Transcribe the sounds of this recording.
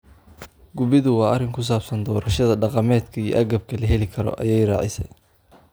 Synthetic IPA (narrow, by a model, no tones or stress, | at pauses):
ɡʊβɪðʊwɑːɐrɪŋkʰʊs̬aːbsɐnd̪ɔːɾɐʃɐðɐɖɑqɑmɛːd̪kʰɐijɔ̰ʔɐɣɐb̚kʰɐlɐɦɛlɪkʰɐɾɔ̰ʔɐ̰jɛjrɑ̰ːʕɪ̰sɛ̰j